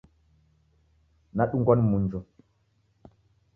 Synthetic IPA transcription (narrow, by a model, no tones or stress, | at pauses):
naɗuŋɡɔnmund͡ʒɔ